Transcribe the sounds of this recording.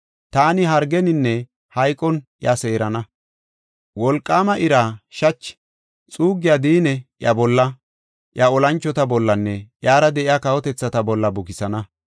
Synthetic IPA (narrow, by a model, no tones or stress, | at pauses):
t̪aːnɪɦɐɾɡɛnɪnːɛ | hɐjkʼɔnjɐse̞ːɾɐnɐ | wɔlkʼːaːmɐʔɪɾaːʃɐt͡ʃː | t͡sʼuːɡɪjaːd̪iːnɛʔjɐbɔlːɐ | ʔjɐɔlɐnt͡ʃːɔt̪ɐbɔlːɐnːɛjaːɾɐd̪ɛʔɪjaːkɐwɔt̪ɛt͡sːɐt̪ɐbɔlːɐbʊkɪsɐnɐ